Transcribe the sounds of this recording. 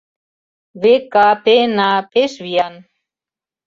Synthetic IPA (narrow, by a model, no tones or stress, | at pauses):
βekapenapeʃβian